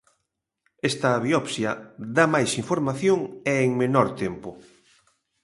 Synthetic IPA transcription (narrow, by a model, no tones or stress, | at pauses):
est̪ɐːβiɔpsjɐðamajsiɱfoɾmaθjoŋeːŋmenɔɾt̪empʊ